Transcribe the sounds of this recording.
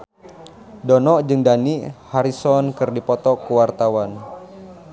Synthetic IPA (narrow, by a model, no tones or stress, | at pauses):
dɔnɔʔd͡ʒɨŋdanihaɾisɔnkɨrdipɔt̪ɔkuwart̪awan